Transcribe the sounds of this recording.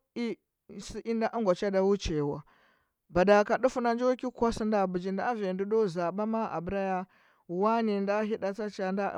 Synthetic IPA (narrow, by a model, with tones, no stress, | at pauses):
i˦ | si˦ʔi˦nda˦ʔu˦ŋɡʷa˨t͡ʃa˦da˦wu˦t͡ʃe˨wa˨ | ba˨da˨ka˨ɗu˦fu˦na˦nd͡ʒwa˦ki˦kʷa˦si˦nda˦˨bu˨d͡ʒi˨nda˦ve˨ndu˦do˦za˨ba˦ma˦ʔa̰˨bɾa˦ja˦ | wa˦ni˨nda˦ɦi˦da˦t͡sa˦t͡ʃa˦nda̰˦